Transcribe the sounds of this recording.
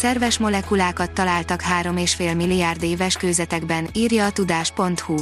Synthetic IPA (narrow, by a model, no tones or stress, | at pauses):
sɛrvɛʃmo̞lɛkulaːkɒt̪ːɒlaːlt̪ɒkɦaːɾo̞meːʃfeːlmilːiaːrd̪eːvɛʃkøːzɛt̪ɛɡbɛniːrjɒːt̪ud̪aːʃpo̞nt̪hu